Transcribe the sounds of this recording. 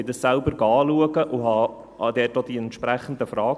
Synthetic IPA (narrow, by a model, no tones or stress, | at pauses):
ɪdəssælbəɾɡɑːluəɡəʔuɦɑ | ɑd̪ɛːt̚ɔd̥̪iɛnt̪ʃpɾæχən̩d̪əfrɑː